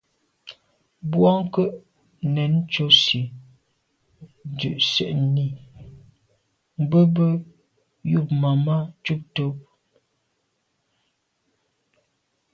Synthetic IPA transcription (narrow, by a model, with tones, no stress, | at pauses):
bwɔ˦ŋ˦kə˦ʔ | nɛ˨˦n˦t͡ʃo˦si˨ | dʉ˨ʔsɛ̰˨ʔni˦˨ | m̩˨bə˦bə˦ | ju˦˨pma˨ma˦t͡ʃu˦p̚to˦